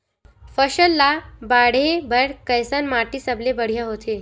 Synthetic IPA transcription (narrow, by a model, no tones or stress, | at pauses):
fəʃəlːabaɽebəɾkəjsənmaʈisəblebəɽ̤ijaɦot̪ʰe